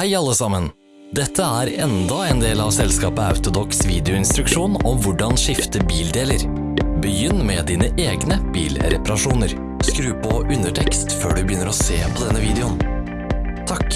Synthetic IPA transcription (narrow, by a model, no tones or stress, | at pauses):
hæɪɑlːəsɑmːən | d̪ɛt̪ʰːəæɾɛnd̪ɑɛnd̪eːlɑʋsɛlskɑːpəɑ̰ʉt̪ʊd̪ɔksʋiːd̪ɛʊɪnst̪ɾʉkʂuːnɔmʋʊɖɑnʂɪft̪əbiːld̪eːləɾ | bəjʏnːmɛd̪iːnəʔeːɡnəb̥ḭːlɾɛ̰pɑɾɑʂuːnəɾ | skɾʉːpʰɔʔʉnd̪əʈʰɛkst̪føːɖʉbəjʏnːəɾɔseːpʰɔd̪ɛnːəʋiːd̪ɛʊn | t̪ʰɑk